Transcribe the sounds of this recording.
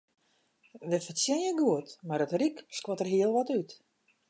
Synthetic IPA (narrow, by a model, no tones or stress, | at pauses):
ʋəfəsjɪnjəɡuətmaɾətrikskwɔtərɦiəlˠʋɔtyt